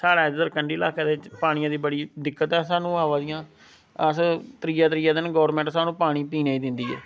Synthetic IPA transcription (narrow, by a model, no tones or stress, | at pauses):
saːɽaːɪd͡ʒd̪əɾkəɳɖiːlaːkeːd̪eːt͡ʃpaːɽ̃ɪjãːd̪iːbəɽiːd̪ɪkːət̪ɛːsaːnũːaːʋaːd̪ɪjãː | əst̪ɾɪjaːt̪ɾɪjaːd̪ɪnɡɔːɾmɛ̃ːɳʈsaːnũːpaːɽ̃iːpiːnaːiːd̪ɪnd̪iːɛ̰ː